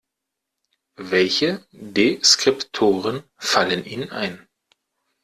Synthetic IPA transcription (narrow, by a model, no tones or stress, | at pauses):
vɛlçədeskʁ̥ɪptʰoːʁənfalənʔiːnʔa̰ɪn